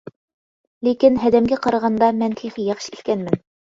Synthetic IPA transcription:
lekɘnɦæd̪æmɡæqɑɾɑʁɑnd̪ɑmænt̪ʰiχijɑχʃit̪kʲænmɘn

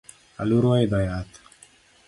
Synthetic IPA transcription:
a̰luɾuajd̪ajat̪

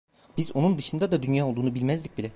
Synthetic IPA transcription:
b̥izo̞nund̪ɯʃɯnd̪ad̪ad̪ynjaːolˠd̪uːnubilʲmæzlʲic̚bilʲɛ

